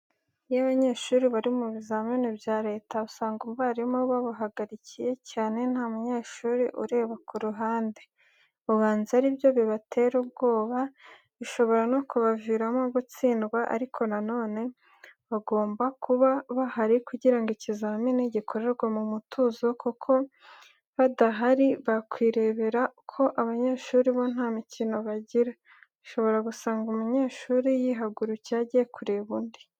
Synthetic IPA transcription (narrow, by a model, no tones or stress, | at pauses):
jaβaɲe̞ːʃuːɾiβaɾimuβizaːminebjaːɾe̞ːtausaːŋɡuβaɾimoβaβaɦaɡaɾicije̞caːne̞n̥hamuɲe̞ːʃuɾiʔṵɾe̞ːβakuɾuɦaːnde | uβaːnziaɾibjo̞βiβatʰe̞ɾub̚ɡo̞ːβa | βiʃo̞βo̞ɾanokuβaviɾamoɡut͡siːndɡwaʔa̰ɾikʰo̞nano̞ːne̞ | βaɡo̞ːmbakuβaβahaɾikuɟiɾaŋɡicizaminiɟikʰo̞ɾe̞ɾɡwamumutʰuzo̞kukʰo̞ | βadaɦaɾiβakwiːɾe̞βe̞ɾakʰo̞ʔaβaɲe̞ːʃuːɾiβon̥haːmicino̞βaɟiɾa | iʃo̞βo̞ɾaɡusaːŋɡumuɲe̞ːʃuːɾijiɦaɡuɾucaɟiekuɾeβuːndi̥